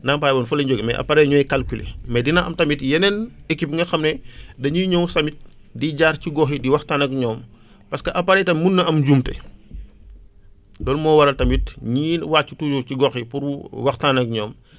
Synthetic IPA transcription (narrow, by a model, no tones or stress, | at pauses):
nampaːjbɐːnfulɐɲɟoɡimɛ̰ʔɐ̰pɐɾɛjɲɔːjkɐlkulḛmɛdinɐʔɐmtɐmitjɛnɛnekːipŋɡɐxɐmnɛdɐɲuɲɔwsɐmit̚ | diɟaːrciɡɔxidiwɐxtaːnɐk̚ɲɔːm | pɐskɐʔɐpɐɾɛjtɐmunːɐʔɐmɟumtɛ̰ | lɔːlmɔːwɐɾɐltɐmit̚ɲiːwaːt͡ʃːutuːd͡ʒuciɡɔːxipuɾwɐxtaːnɐk̚ɲɔːm